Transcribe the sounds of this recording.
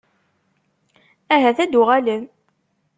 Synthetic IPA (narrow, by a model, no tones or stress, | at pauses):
æɦæθæd̪ʊʁælən